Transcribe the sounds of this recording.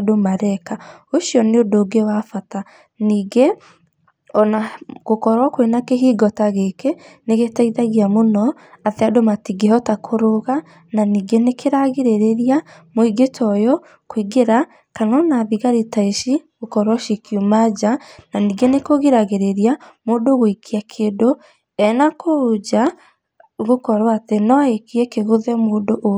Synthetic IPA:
domaɾɛkaoʃiɔneodoɡewafata | niːɡe | ɔnaɣokɔɾɔkwenakeɦiːɡɔtaɣekeneɣetaiðaɣiamonɔ | ateadomatiɡehɔtakʰoɾoɣa | naniːɡenekeɾaɣeɾeɾeɾiamoiɡetʰɔjɔ | kwiɡeɾa | kanɔnaðiɣaɾitaeʃiɣokɔɾwɔʃikjumad͡ʑananiɡenekoɣiɾaɣeɾeɾiamodoɣoikʰiakʰeːdo | ɛnakʰood͡ʒa | ɣokɔɾwatenɔaekiɛkeɣoðɛmoːdoʔ

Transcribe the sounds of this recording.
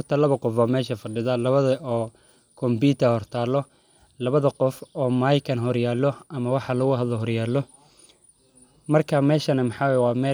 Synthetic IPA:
rt̪ʰɐlɐβɐqɔfaːmɛːʃɐfɐɖɪðɐlɐβɐðɐɔː | kʰɔmbiːt̪ʰɐhɔrt̪ʰaːlɔ | lɐβɐðɐqɔfɔːmajkʰɐnɦɔrjaːlɔʔɐmɐwɑħɑlɐɣʊɦɐd̪lɔɦɔrjaːlːɔ | mɐrkʰɐmɛːʃɐnɐmɑħɑːwajwɑːmɛː

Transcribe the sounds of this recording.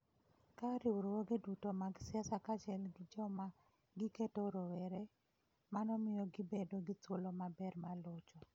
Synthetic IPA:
kaɾɪwɾwoɡedutomaɡsɪasakat͡ʃɛlɡɪd͡ʒɔma | ɡɪketoɾowɛɾe | manɔmɪjɔɡɪbedoɡɪt͡swolomabɛrmalɔt͡ʃɔ

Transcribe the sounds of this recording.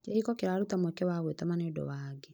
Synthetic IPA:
keikɔkeɾaɾutamwɛkɛwaɣwetamanedɔ̰waːɡe

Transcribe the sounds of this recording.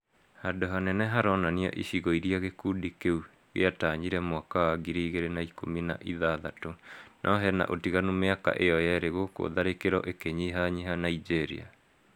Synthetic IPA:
hadoɦanɛnɛɦaɾɔnaniɔ̰ʔiɕiɣɔiɾiaɣekuːdikeu | ɣḛataːɲiɾɛmwakawaɡiɾiːɣeɾenaikomina̰ʔiðaðatonʔɔɦɛna̰ʔotiɣanumeaka̰ʔeɔjaɾeɣoko̰ðaɾekeɾɔʔekeɲiɦaɲiɦanaid͡ʒeɾḭa̰

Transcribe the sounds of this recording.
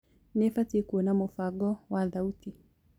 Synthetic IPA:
nɛfatikuɔnamofaɡɔwaðauti

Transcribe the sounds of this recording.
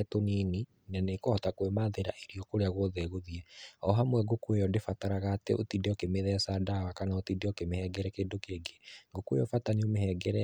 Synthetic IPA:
tonini | nɛnekohɔtakwemaðeɾa̰ʔeɾiɔkoɾeaɣwɔðɛɣoðiɛɔɦamwɛɡokuejɔdefataɾaɣaːtḛʔotideɔkemeðɛsadawakanaotideɔkemehɛɡɛɾɛkeːndokeːɡeɡokwḛjɔfataniomehɛɡɛɾɛ

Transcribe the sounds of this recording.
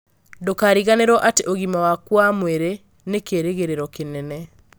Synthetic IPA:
dokaːɾiɣaneɾɔʔateʔoɣimawakwamweɾe | nekeːɾeɣeɾeɾɔkenɛnɛ

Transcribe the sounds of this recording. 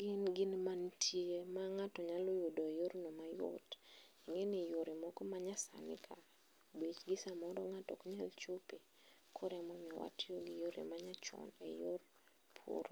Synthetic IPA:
ɡɪnɡɪnmantʰjemaŋatɔɲalɔjodoejoɾnɔmajo̰tiŋenɪjoɾemɔkɔmaɲasa̰nɪ̰kʰa | bit͡ʃɡɪsamɔɾɔŋatɔ̰kɲalt͡ʃope | kʰɔɾɛmɔɲɔwa̰tjoɡijoɾḛmaɲat͡ʃɔ̰nḛjor | pʰo̰ɾ

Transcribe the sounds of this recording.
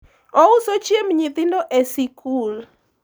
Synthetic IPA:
ɔusot͡ʃjemɲit̪ɪndɔʔesikʰul

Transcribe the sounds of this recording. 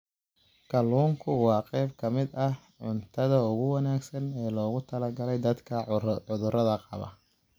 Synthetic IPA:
kʰɐluːŋkʰʊwɑːqɛjb̚kʰɐmɪd̪ɐh | ʕʊnt̪ʰɐðɐʊɣʊwɑnaːɡsɐnɛːlɔːɣʊt̪ʰɐlɐɡɐlɛjd̪ɐd̪kʰɐʊðʊɾɐðɐqɑ̰βɐ̰

